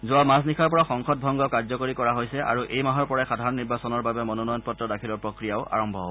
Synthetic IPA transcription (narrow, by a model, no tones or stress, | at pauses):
zʊamas̬nikʰaɹpɔɹaxɔŋxɔt̚bʱɔŋɡɔkaɹzɔkoɹikɔɹaɦojsɛʔa̰ɹuʔejmaɦɔɹpɔɹajxadʱaɹɔnːiɹbasɔnɔɹbabɛmɔnɔnɔjɔnpɔtːɹɔdakʰilɔɹpɹokɹijaʊʔa̰ɹɔmbʱɔɦɔbɔ